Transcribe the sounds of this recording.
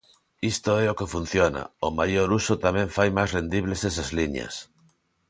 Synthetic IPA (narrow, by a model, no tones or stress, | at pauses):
ist̪oɛokefun̟θjona̰omajoɾusot̪amẽɱfajmajsrend̪iβlesesazliɲa̰s